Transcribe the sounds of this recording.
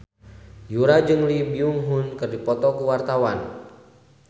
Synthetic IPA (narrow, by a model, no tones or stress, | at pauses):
juɾad͡ʒɨŋlibiuŋɦunkɨrdipɔt̪ɔkuwart̪awan